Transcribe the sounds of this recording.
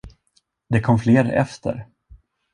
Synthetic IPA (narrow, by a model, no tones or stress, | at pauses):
d̪ɛkʰɔmfleːɾɛ̰ft̪ʰə̰ɾ